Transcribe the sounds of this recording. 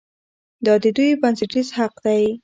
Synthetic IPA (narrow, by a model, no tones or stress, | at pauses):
d̪ɑd̪əd̪ujbansɪʈizhaqd̪aj